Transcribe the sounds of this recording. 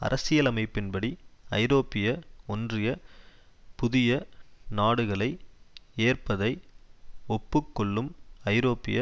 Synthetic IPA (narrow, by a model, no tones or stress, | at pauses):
ɐ̰ɾʔɐsɪjɐlɐmɐɪpːɪnbɐɽiɐɪɾoːpːɪjɐɔndrɪjɐ | pʊðɪjɐnaːɽɯɣɐɭɐɪeːrpɐðɐɪ | ɔpːɯkːɔɭːɯmɐɪɾoːpːɪjɐ